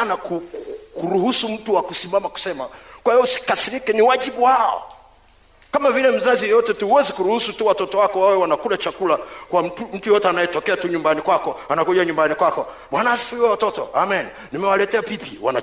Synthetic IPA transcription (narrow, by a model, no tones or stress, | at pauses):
nakukuɾuhusum̩tuwakusimamaku̥sɛmakwahiɔusi̥kasiɾikɛniwaʄibuhaɔ̰ | kamavilɛm̩zazijɛjɔtɛtuhuwɛzikuɾuhusutuwatɔtɔwakɔwawɛwanakulat͡ʃakulakwatum̩tujɔtɛanajɛtɔkɛatuɲumbanikwakɔanakuʄaɲumbanikwakɔ | ɓanaasi̥fuiwɛwatɔtɔ̰amɛn | nimɛwalɛtɛapipiwa̰na